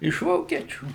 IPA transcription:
ɪʃ ˈʋoːkʲiɛt͡ʃʲuː

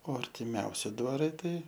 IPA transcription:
oː ɐrʲtʲɪˈmʲɛʊsʲɪ dʋɐˈrɐɪ ˈtɐɪ

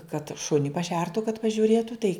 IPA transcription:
kɐt ˈʃʊnʲɪ pɐˈʃʲɛrtʊ kɐt pɐʒʲʊˈrʲeːtʊ tɐɪ

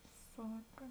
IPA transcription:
ˈsɑːkɐ

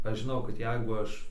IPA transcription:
ˈɐʃ ʒʲɪˈnɐʊ kɐt ˈjɛɪɡʊ ˈɐʃ

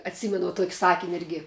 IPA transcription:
ɐtʲˈsʲiːmʲɛnʊ tuɔkʲ ˈsɑːkʲɪnʲ ˈɪrʲɡʲɪ

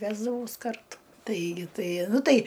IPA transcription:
ˈʋʲæːzdɐʋɐʊs ˈkɐrtʊ ˈtɐɪɡʲɪ ˈtɐɪ ˈnʊ ˈtɐɪ

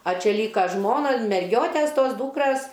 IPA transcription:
ɐ ˈt͡ʃʲɛ ˈlʲiːkɐ ˈʒmoːnɐ mʲɛrʲˈɡʲoːtʲɛs ˈtoːs ˈduːkrɐs

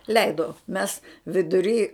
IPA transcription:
ˈlʲɛɪdoː mʲɛs ʋʲɪdʊˈrʲiː

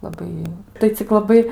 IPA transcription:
lˠɐˈbɐɪ tɐɪ t͡sʲɪk lˠɐˈbɐɪ

